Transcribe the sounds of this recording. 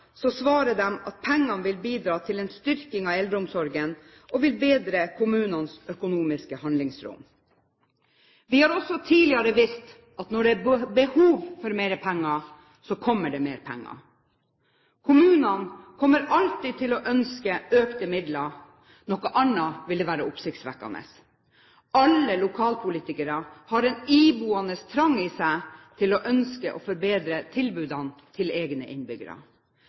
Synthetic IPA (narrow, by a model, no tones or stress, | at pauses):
sɔsʋɑːɾəd̪ɛmɑt̪̚pʰɛŋːɑnʋɪlbiːd̪ɾɑːt̪ʰɪlɛnst̪ʏɾkɪŋɑɛld̪ɾəʊmsɔɾɡən | ɔʋɪlbeːd̪ɾəkʰʊmʉːnɑnsœkʊnuːmɪskəhɑnlɪŋsɾʊ̰m | ʋɪhɑɾɔsːɔt̪ʰiːlɪɑɾəʋɪst̪ | ʔɑt̪nɔɖɛæɾbəhuːʋfɔɾmeːɾəpʰɛŋːɑ | sɔkʰɔmːəɖɛmeːɾpʰɛ̰ŋːɑ̰ | kʰʊmʉːnɑnkʰɔmːəɾɑlt̪iːt̪ʰɪlɔʔœnskəøːkt̪əmɪd̪lɑ | nɔkːɑʔɑnːɑʋɪld̪ɛʋæːɾəʊpsɪkt̪sʋæ̰kːɑ̰nə̰s | ɑlːəlʊkʰɑːlpʰʊliːt̪ɪkəɾɑhɑɾɛniːbuːɑnəst̪ʰɾɑŋːiːsæɪt̪ʰɪlɔʔœnskəʔɔfɔɾbeːd̪ɾət̪ʰɪlbʉːd̪ɑnt̪ʰɪleːɡnə̰ʔɪnbʏɡə̰ɾɑ̰